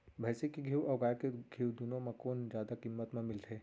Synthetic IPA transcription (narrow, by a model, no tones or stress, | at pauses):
bʱɛːsekiɡʱiːwɔːɡaːjkeɡʱiwd̪unõmẽkoːnd͡ʒjaːd̪akimːət̪mẽmɪlt̪ʰeː